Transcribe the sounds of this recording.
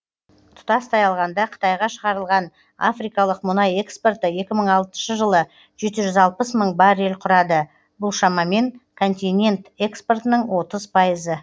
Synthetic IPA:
t̪ʰʊ̥t̪ɑst̪ʰɑjɑlˠʁɑnd̪ɑqʰə̥t̪ɑjʁɑʃəʁɑɾəlˠʁɑn | a̰fɾijkɑlˠəqmʊnɑje̞kspo̞rt̪əje̞kʲɪməɴɑlˠt̪ənʃəʒəlˠə | ʒ̥e̞t̪ɪʒʏzɑlˠpəsməɴbɑɾe̞lqʰʊɾɑd̪ə | bʊlˠʃɑmɑme̞ŋkʰo̞nt̪ʲijnʲe̞nt̪e̞kspo̞rt̪ənəɴwo̞t̪əzpʰɑjəzə

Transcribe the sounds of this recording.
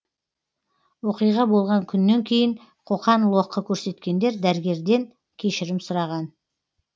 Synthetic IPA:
wo̞qijʁɑbo̞lˠʁɑŋkʲʰʏnːe̞ŋkʲʰe̞jɪŋ | qʰo̞qɑnlˠo̞qːəkʲʰɵɾse̞t̪kʲe̞nd̪e̞ɾd̪æɾɪɡʲe̞ɾd̪e̞ŋ | kʲʰe̞ʃɪɾɪmsʊɾɑʁɑn

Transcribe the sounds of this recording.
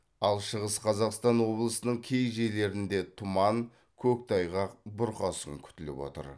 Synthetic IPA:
ɑlˠʃəʁəsqʰɑzɑqst̪ɑnwo̞blˠəsənəɴkʲʰe̞jʒe̞le̞ɾɪnd̪e̞t̪ʰʊmɑŋ | kʲʰɵk̚t̪ʰɑjʁɑqbʊɾqɑsəŋkʲʰʏ̥t̪ɪlɪ̰pwo̰t̪ə̰ɾ

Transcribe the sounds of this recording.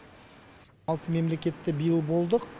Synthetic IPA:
ɑlˠt̪əme̞mle̞kʲe̞t̪ːɪbijəlˠbo̞lˠd̪əq

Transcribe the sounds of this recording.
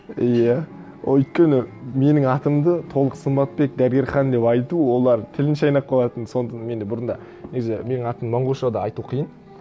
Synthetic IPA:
ijæ̰ | ʏjt̪̚kʲe̞nɪme̞nɪŋɑt̪əmd̪ət̪ʰo̞lˠəqsəmbɑt̪̚pe̞k̚d̪æɾɡʲe̞ɾχɑnd̪e̞pɑjt̪uwo̞lˠɑɾt̪ʰɪlɪnʃɑjnɑp̚qʰɑlˠɑt̪ənso̞nt̪ɑnme̞nd̪ɪbʊɾənd̪ɑ̰ | neɡʲezeme̞nɪŋɑt̪əmmɑɴʁoʃɑd̪ɑɑjt̪uqʰijən

